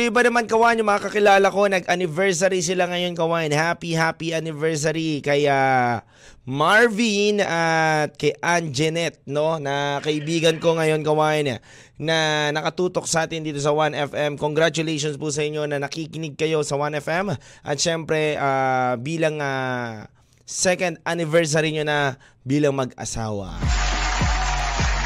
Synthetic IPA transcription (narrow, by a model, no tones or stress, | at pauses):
oʔɪbanɐmankɐwaːjɪnʊmɐŋakɐkɪlaːlɐko̞nɐɡʔɐnɪvɛɹs̬ɐɾis̬ɪlaŋɐjo̞nkɐwaːjɪnhapihaːpiʔɐnɪvɛɹs̬ɐɾikɐja | maɹvinat̪̚kɛʔand͡ʒɛnɛt̪̚no̞nɐkɐʔɪbiːɡɐnko̞ŋɐjo̞nkɐwaːjɪn | nɐnɐkɐt̪uːt̪o̞k̚sɐʔaːt̪ɪnd̪iːt̪os̬ɐwanɛfɛmkoŋɡɾat͡ʃʊlɛjʃonspus̬ɐʔɪɲːo̞nɐnɐkikɪnɪɡ̚kɐjo̞sɐwanɛfɛmʔɐ̰t̪̚ʃɛmpɾɛʔaːbiːlɐŋa | sɛkɐnd̪̚anɪvɛɹs̬aɾiɲo̞nɐ | biːlɐŋmɐɡʔɐ̰sa̰ːwɐ̰